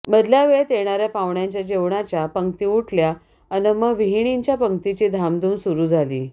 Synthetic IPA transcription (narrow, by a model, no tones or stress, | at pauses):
məd̪ljaʋeɭt̪jeɽ̃aɾjapaʋɳjaɲt͡ɕjad͡ʑeʋɳat͡ɕjapəŋkt̪iːuʈʰlja | ənəməʋiɦiɽ̃iɲt͡ɕjapəŋkt̪it͡ɕiːd̪ʱamd̪uːmsuɾuːd͡zʱalḭː